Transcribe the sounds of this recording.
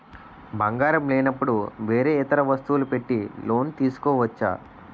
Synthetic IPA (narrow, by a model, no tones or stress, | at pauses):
bʱɐŋɡaːɾɐmleːnɐpːuɽuʋe̞ːɾe̞ːit̪ɐɾɐʋɐst̪uʋulupe̞ʈːilo̞ːnt̪iːsu̥koːʋɐt͡ʃːa̰ː